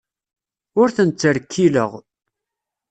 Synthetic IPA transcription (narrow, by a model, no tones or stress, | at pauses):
ʊɾθənt͡sːəɾkʰːiləʁ